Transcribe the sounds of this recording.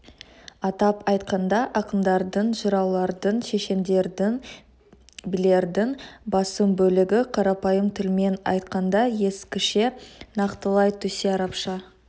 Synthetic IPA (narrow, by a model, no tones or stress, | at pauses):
ɑt̪ɑpɑjt̪qɑnd̪ɑʔɑqəmd̪ɑɾd̪əɴʒəɾɑwlˠɑɾd̪ənʃe̞ʃe̞nd̪e̞ɾd̪ɪn | bɪle̞ɾd̪ɪŋbɑsəmbɵlɪɡʲɪqʰɑɾɑpɑjəmt̪ʰʏlme̞nɑ̰jt̪qɑnd̪ɑje̞skʲɪʃe̞nɑqt̪əlˠɑjt̪ʰɵseɑɾɑpʃɑ